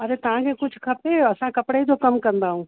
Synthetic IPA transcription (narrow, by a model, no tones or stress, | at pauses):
ɐɾet̪ɐʋ̤ãkʰekʊd͡ʑʱʰkʰɐpeɐsãkɐpɽed͡ʑokɐmkɐ̃nd̪aːɦũː